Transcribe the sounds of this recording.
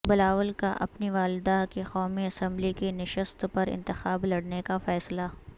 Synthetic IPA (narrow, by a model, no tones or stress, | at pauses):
bɪlaːʋəlkaʔɐ̰pniʋaːld̪akexɔːmiɐsɛ̃mblikenɪʃəst̪pɐɾɪ̰̃nt̪ɪxaːblɐɽnekafɛːsla